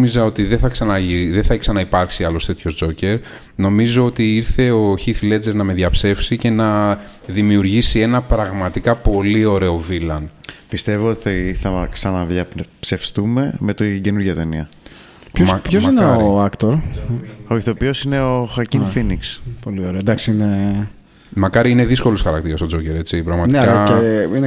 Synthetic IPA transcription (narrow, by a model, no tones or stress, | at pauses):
mizɐo̞t̪iðeθɐksɐnɐiðeθɐiksɐnɐipɐɾksiɐlo̞st̪e̞t̪ço̞zd͡zo̞ce̞ɾ | no̞mizo̞o̞t̪iiɾθe̞o̞çiθle̞d͡zeɾnɐme̞ðʝɐpse̞fsice̞nɐ | ðimiuɾʝisie̞nɐpɾɐɣmɐt̪ikɐpo̞lio̞ɾe̞o̞vilɐnpist̪e̞voot̪iθiθɐksɐnɐðʝɐpse̞fst̪ume̞me̞t̪iɟe̞nuɾʝɐt̪e̞niɐ | opços̬ineoɾɐkt̪oɾ | oiθo̞piosine̞oxɐcinfinikspo̞lio̞ɾed̪ɐksiine | mɐkɐɾiine̞ðisko̞losxɐɾɐk̚t̪iɾɐst̪o̞d͡zo̞ceɾe̞t͡sipɾɐɣmɐtnekɐine